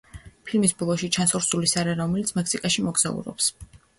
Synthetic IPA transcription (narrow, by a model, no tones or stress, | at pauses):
pʰilmisblˠɔʃit͡ʃʰansɔɾsulisaɾɛɾɔmɛlit̪sʰmɛkʰsikʼaʃimɔɡz̥a̰ṵɾɔ̰ps